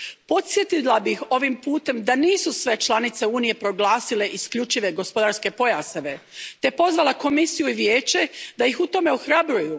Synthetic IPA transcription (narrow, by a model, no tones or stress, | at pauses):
po̞t̪sje̞t̪ilabixo̞ʋimpuːt̪e̞md̪aniːsusʋe̞t͡ʃlˠanit̪se̞uːnije̞pɾo̞ɡlˠaːsile̞ʔiskʎut͡ʃiʋe̞ɡo̞spo̞d̪aɾske̞po̞jaseʋe̞t̪e̞po̞zʋalˠako̞misijuiʋje̞ːt͡ɕe̞d̪ajixut̪o̞me̞oxɾabɾuju